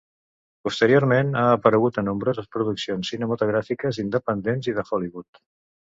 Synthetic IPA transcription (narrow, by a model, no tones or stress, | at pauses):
pust̪əɾioɾmenaːpəɾəɣut̪ənːumbɾozəspɾuðuksionsːinəmət̪uɣɾafikəzind̪əpənd̪enziðəxɔliβut̪